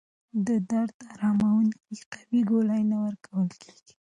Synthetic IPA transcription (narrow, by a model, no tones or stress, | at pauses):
d̪əd̪aɾd̪aɾɑmawunkiqḁwiɡolajnawəɾkawəlkʰe̥ɡ̥i̥